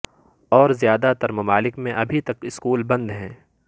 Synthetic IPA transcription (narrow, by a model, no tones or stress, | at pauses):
ɔːɾzijaːd̪at̪ɐɾmɐmaːlɪkmẽʔɐbʱit̪ɐkɪskuːlbɐ̃nd̪ɦɛ̃ː